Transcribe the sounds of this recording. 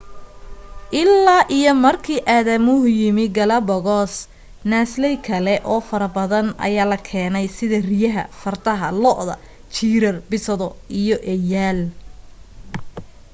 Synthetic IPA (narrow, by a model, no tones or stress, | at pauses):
ʔɪlːaːʔijɔmɐrkʰiːʔaːðɐmʊɦʊjɪmɪɡɐlɐbɔɣɔːs | naːslɛjkʰɐlɛʔɔːfɐɾɐbɐðɐnɐ̰jaːlɐkʰɛːnɛjsɪðɐrɪjɐɦɐ̰fɐrt̪ʰɐɦɐlɔːʔðɐ̰ | t͡ʃiːɾɐrbɪsɐðɔijɔʔɛjaːl